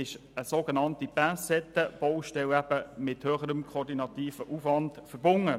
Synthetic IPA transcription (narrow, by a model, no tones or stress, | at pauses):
ɪʃəsoɡənɑntib̥æsɛtəb̥ɔʊʃtɛlæb̥əmɪthøːχəɾəmkʰoːɾdinɑt̪iːfəʔuːfʋɑndfəɾbʊŋə